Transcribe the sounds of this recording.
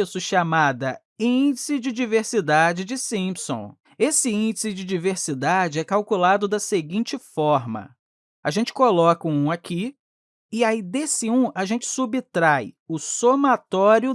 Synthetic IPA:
sʊʃamad̪ɐ | ĩd͡ʒɪsɪd͡ʒɪd͡ʒiveɾsid̪ad͡ʒɪd͡ʒɪsĩpsõ̰ | esɪĩnd͡ʒɪsɪd͡ʒɪd͡ʒiveɾsid̪ad͡ʒɪɛkawkulad̪ʊd̪ɐseɡĩnt͡ʃɪfɔɾmɐ̰ | aʒẽnt͡ʃɪ̥kolɔkũũakʰi | ɪajd̪esɪũaʒẽnt͡ʃɪ̥subit̪ɾajʊsomat̪ɔɾjʊ

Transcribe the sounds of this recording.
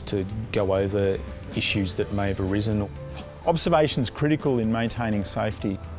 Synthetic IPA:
tʰɨɡ̥oʊoʊvə˞ | ɪʃʉzðɨt̚meɪɨvəɹɪzɨ̃n | ʔɑbz̥ə˞veɪʃn̩z̥kʰɹ̥ɪɾɨkəlˠɨ̃nmẽɪ̃ntʰẽɪ̃ñɪ̃ŋseɪfti

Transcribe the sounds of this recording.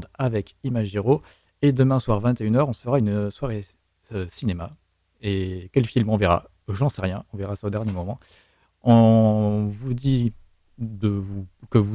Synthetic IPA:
d̪avɛkimaʒeʁo | ed̪əmɛ̃swaʁvɛ̃t̪eynœʁɔ̃səfəʁaynswaʁe | sinema | ekʲɛlfilmɔ̃veʁa̰ | ʒɑ̃sɛʁjɛ̃ɔ̃vɛʁasaod̪ɛʁnjemɔmɑ̃ | ɔ̃ | vud̪i | d̪əvukəvu

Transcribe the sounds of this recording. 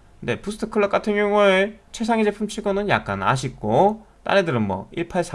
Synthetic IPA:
knde̞pusʰɯ̥tʰɯ̥kʰɯɭːʌk͈atʰɯŋjoŋɯt͡ɕʰwe̞s̬ʰaŋid͡ʑepʰɯmt͡ɕʰiɡonɯnja̰k̚k͈a̰na̰ɕ̬ʰik̚k͈o | t͈a̰ɾedɯɾɯnmwʌ̰iɭpʰaɭsʰa

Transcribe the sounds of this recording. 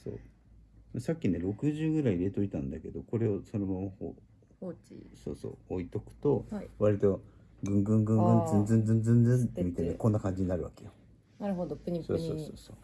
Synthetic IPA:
so̰ː | masakʲːine̞ɾo̞kɯ̟ʑɨːɡɯ̟ɾaiiɾe̞t̪o̞it̪ãnd̪ake̞d̪o̞ko̞ɾe̞oso̞nomamaho̰ | so̞̰ːso̰ːoit̪o̞kɯ̟̥t̪o̞βaɾʲit̪o̞ | ɡɯ̟̃ŋɡɯ̟̃ŋɡɯ̟̃ŋɡɯ̃nzẽnd͡zẽ̞nd͡zẽnd͡zẽ̞nd͡zẽnmʲit̪eneko̞nːakãɲ̟d͡ʑiɲ̟inaɾɯ̟βakejo | naɾɯɦod̪oɲsoːsoːso̰ːsoː

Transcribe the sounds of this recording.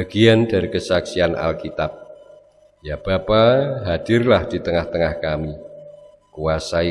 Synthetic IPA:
baɡ̥iand̥aɾikəsaksianʔa̰lkit̪ap̚ | jab̥apaɦad̥ɪrlahd̥i̤t̪əŋaht̪əŋahkami | kuasai

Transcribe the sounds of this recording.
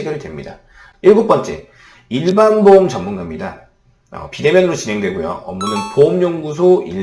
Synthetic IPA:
ɡeɾɯɭdwe̞mɲida̰ | iɭɡuk̚p͈ʌnt͡ɕ͈e̞̰ | iɭbanbomt͡ɕʌmːunɡamɲida | ʌ̰pide̞mjʌnɯɾot͡ɕinɦe̞ŋdwe̞ɡojo̰ʌmunɯnpoumɲoŋɡus̬ʰoi

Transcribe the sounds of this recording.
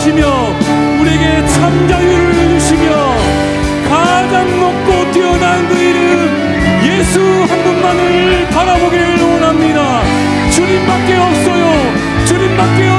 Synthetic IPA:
ɕʰimjʌ | uɾieɡe̞t͡ɕʰamd͡ʑajuɾɯɭjuɕʰimjʌ | kad͡ʑanmʌk̚k͈otiʌnanɡɯiɾɯ | je̞sʰuhanɡunmanɯɭpaɾaboɡiwʌnamɲida | t͡ɕuɲimbak͈̚e̞ʌp̚s͈ʌjo | t͡ɕuɲimbak͈e̞ʌ

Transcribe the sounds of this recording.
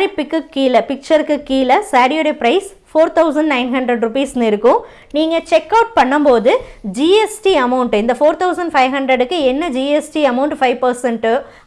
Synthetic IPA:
ɾɪpːɯkːɯkːiːlɐpɪk̚t͡ʃɐɾɯkːɯkːiːlɐsaːɽjoɾepɾɐɪs | foːɾt̪ʰɐʊsɐɳɖnɐɪnɦɐɳɖɾɐɖɾʊpiːsnɯɪɾɯkːʊ̃ | niːŋɡɐt͡ʃɛkːɐʊʈ̚pɐɳːɐmpoːðɯd͡ʒiːɛsʈiɐmɐʊɳʈɪnd̪ɐfoːɾt̪ʰɐʊsɐɳɖfɐɪʋɦɐɳɖɾɐɽɯkːɯɛnːɐd͡ʒiːɛsʈiɐmɐʊɳʈfɐɪʋpɐɾsɛɳʈɯ

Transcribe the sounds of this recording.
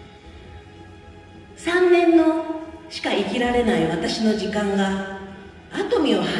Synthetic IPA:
sãnːẽ̞nːo̞ɕi̥kaikʲiɾaɾe̞naiβat̪aɕino̞d͡ʑikãŋɡaː | t̪o̞mʲio̞ha

